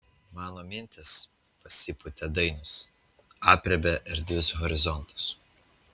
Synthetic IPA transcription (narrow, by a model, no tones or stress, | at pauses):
mɑːnoːmʲɪnʲˑt̪ʲɪs | pɐsʲipʊt̪ʲɛd̪ɐɪnʊs | ɑːpʲɾʲɛbʲɛʔɪɾd̪ʲʋʲɪsɣɔɾʲɪzɔnˑt̪ʊ̥s